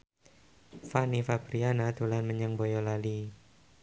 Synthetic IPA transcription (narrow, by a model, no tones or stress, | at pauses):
fanifabɾianat̪ulanməɲaŋbɔjɔlali